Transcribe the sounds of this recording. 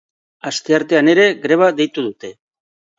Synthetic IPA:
ast̪e̞aɾt̪e̞ane̞ɾe̞ɡɾe̞β̞aðe̞jt̪uð̞ut̪e̞

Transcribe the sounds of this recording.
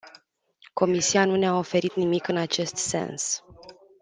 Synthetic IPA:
ko̞misianuneao̞fe̞ɾit̪nimikɨnat͡ʃe̞st̪se̞̰ns

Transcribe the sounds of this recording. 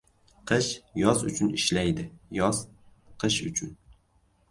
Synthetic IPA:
qʰɨʃjɒzʊt͡ʃʰʊniʃlæjd̪ɪjɒz̥ | qʰɨʃʊ̰t͡ʃʰʊn

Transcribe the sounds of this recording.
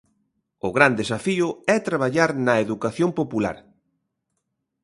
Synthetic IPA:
ʊɣɾand̪esafiʊɛt̪ɾaβ̞aʎaɾnɐeðukaθjompopula̰ɾ

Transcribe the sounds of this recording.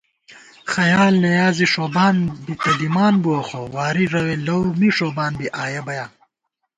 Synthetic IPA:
xɐjaːlnɐjaːziʂoːbaːnbit̪ɐd̪imaːnbuɐxowaːɾiɾɐwelɐwmiʂoːbaːnbiʔaːjɐbɐjaː

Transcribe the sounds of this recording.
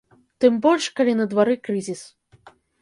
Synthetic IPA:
t̪ɨmbɔlʲʂkɐlʲinəd̪vɐɾɨkɾɨzʲis

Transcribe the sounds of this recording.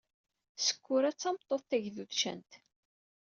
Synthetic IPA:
sə̥kʷːʊɾæt͡sːɑmt̪ˤːoθθæʝðuðʃæ̰nt̪

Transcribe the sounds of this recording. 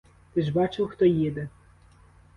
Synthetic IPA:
t̪ɪʒbɑt͡ʃɪwxt̪ɔjid̪ɛ

